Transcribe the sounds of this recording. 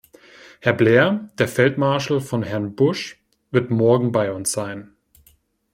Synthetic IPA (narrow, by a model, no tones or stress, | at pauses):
hɛɐbleːɐd̥eːɐfɛltmaɐʃl̩fɔnɦɛɐnbʊʃ | v̥ɪɐtmɔɐɡŋ̩baɪʊnsz̥aɪn